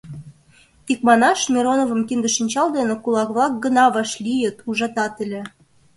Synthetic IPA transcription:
t̪ikmɑnɑʃmʲiɾonovə̆mkind̪ə̆ʃinʲt͡ɕɑld̪enĕkulˠɑkβlɑk̚ɡə̆nɑβɑʃlʲijət̪uʒɑt̪ɑt̪ə̆lʲĕ

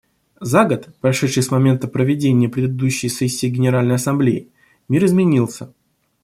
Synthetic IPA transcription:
zaɡət̪pɾɐʂɛt̪ʂɨjsmɐmʲe̞nt̪əpɾəvʲɪdʲenʲɪjəpɾʲɪd̪ɪd̪uɕːɪjsʲesʲːɪːɡʲɪnʲɪɾalʲnəjɐsɐmblʲeɪ̰ | mʲiɾɨzmʲɪnʲilˠsʲə

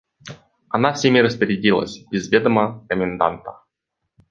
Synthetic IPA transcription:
anafsʲemʲiɾəspʲəɾʲɪdʲilˠə̰sʲbʲɪzvʲed̪əməkəmʲɪnd̪a̰nt̪ə̥

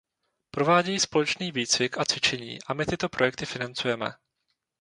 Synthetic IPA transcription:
pɾo̞vaːɟɛjiːspo̞lɛt͡ʃniːviːt͡svɪkʔat͡sv̥ɪt͡ʃɛɲḭːʔamɪt̪ɪt̪o̞pɾo̞jɛk̚t̪ɪfɪnant͡sujɛmɛ̰

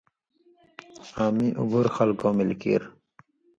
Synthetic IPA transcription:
aːmiʔṵbuɾxalkoːmilkḭɾ

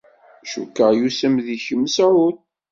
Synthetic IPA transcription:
ʃṵkːəʁjusəmðiçəmːsɾʊθ

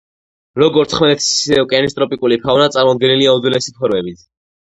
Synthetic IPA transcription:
lɔɡɔɾt̪ʰχmɛlɛt̪ʰi̥sɛɔkʼɛnis̬t̪ʼɾɔpʼikʼulipʰavnat̪sʼaɾmɔd̪̚ɡɛniliaud̪wilɛsipʰɔɾmɛbit̪ʰ

